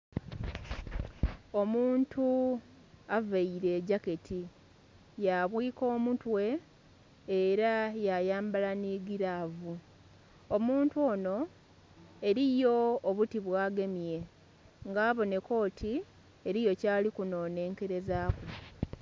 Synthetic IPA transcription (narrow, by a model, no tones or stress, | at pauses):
o̞muːntʰu | avaiɾe̞ːɟake̞tʰi | jaβwiːko̞ːmutwe̞ː | ɾajajaːmbalaniɡiɾavu | omuːntuoːno̞ | e̞ɾijo̞ːβutiβwaːɡe̞mjje̞ | ŋɡaːβo̞ne̞ko̞ːtʰi | eɾijo̞caːlikuno̞ːne̞ːŋke̞ɾe̞zaːku